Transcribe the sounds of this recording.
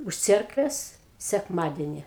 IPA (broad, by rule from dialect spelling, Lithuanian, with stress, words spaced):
ʊʃ ˈt͡sʲɛrkʋʲeːs sʲɛkˈmɑːdʲɛnʲɪ